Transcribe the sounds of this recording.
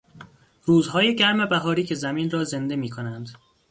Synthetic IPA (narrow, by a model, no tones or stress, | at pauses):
ruːzɦɒːje̞ɟæɾme̞bæɦɒːɾiːcʰe̞zæmiːnrɒːze̞nd̪e̞miːkʰo̞nænd̪